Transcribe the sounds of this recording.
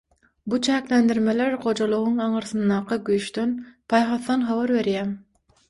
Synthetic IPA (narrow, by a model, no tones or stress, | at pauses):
but͡ʃʰæːklend̪iɾmeleɾχo̞d͡ʒolˠuʁuŋɑɴɯɾθɯnd̪ɑːqʰɯɡyjʃt̪ø̞npʰɑjχɑθːɑnχɑβɑɾβe̞ɾjæːm